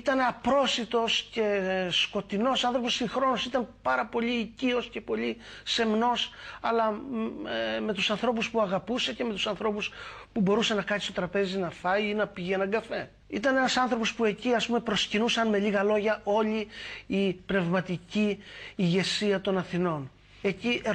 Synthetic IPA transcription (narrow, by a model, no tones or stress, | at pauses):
it̪ɐne̞ɐpɾo̞sit̪o̞sce̞sko̞t̪ino̞sɐnθɾo̞po̞siŋxɾo̞nosit̪ɐnpɐɾɐpo̞ʎiːcio̞sce̞po̞li | semno̞sɐlɐ | me̞t̪usɐnθɾo̞p̬uspuɐɣɐpuse̞ce̞me̞t̪u̥sɐnθɾo̞puspubo̞ɾuse̞nɐkɐnist̪o̞t̪ɾɐpe̞zinɐθɐjiinɐpiʝenɐŋɡɐfe̞ | it̪ɐne̞nɐsɐnθɾo̞po̞spue̞ciɐspumepɾo̞scinusɐnme̞liɣɐlo̞ʝɐʔo̞liipne̞vmɐt̪iciːʝe̞siɐt̪o̞nɐθino̞n | e̞ciʔ